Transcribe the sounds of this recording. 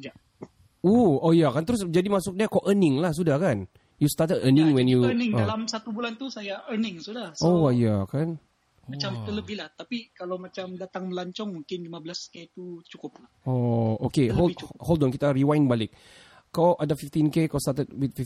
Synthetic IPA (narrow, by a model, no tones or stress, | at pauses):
d͡ʒaʔ | uojakant̪əɾʊs̬d͡ʒadimasʊk̚diakaʔənɪ̃ŋlahs̬udahkan | just̪at̪ədənɪ̃ŋwɛnjunɪ̃ŋdlamsat̪ubulant̪usajaʔənɪŋsudahsowajakan | omat͡ʃamt̪ələbɪhlaht̪apikalawmat͡ʃamdat̪aŋməlaɲt͡ʃɔŋmuŋkɪnlimabəlasket̪ut͡ʃukʊp̚lahɔokeɦoholdɔnkit̪ariwãjnbalɪk̚ | kawʔadafift̪inkekawst̪at̪ət̚wɪt̪fi